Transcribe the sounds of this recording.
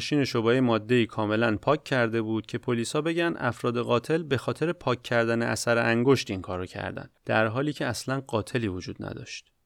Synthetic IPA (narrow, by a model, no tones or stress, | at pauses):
ʃiːne̞ʃobɒːemɒːd̪ːe̞iːkʰɒːme̞lænpʰɒːcʰːæɾd̪e̞buːd̪̥cʰe̞pʰoliːshɒːbe̞ɟænd̪ʔæ̰fɾɒːd̪e̞ɣɒːt̪ʰe̞lbe̞xɒːt̪ʰe̞ɾe̞pʰɒːcʰːæɾd̪æneʔæ̰sæɾeʔæŋɡo̞ʃt̪iŋkʰɒːɾocʰæ̰ɾd̪æ̰nd̪̥æɾɦɒːliːcʰeæslænɢɒːt̪ʰe̞liːvod͡ʒuːd̪næ̰d̪ɒ̰ʃt̪